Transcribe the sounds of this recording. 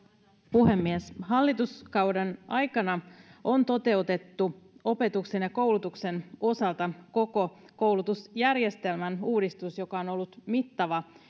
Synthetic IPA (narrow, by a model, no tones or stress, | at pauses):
puɦe̞mːiesɦɑlːit̪uskɑwdenʔɑjkɑnɑʔo̞nt̪o̞t̪e̞ut̪e̞t̪ːuo̞pe̞t̪ukse̞njɑko̞wlut̪ukse̞no̞sɑlt̪ɑko̞ko̞ | ko̞wlut̪usjærjest̪e̞lmænuːdist̪usjo̞kɑo̞no̞lːut̪mit̪ːɑʋɑ